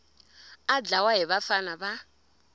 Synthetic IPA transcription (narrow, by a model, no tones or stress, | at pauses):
ad͡ɮawaɦiβafanaba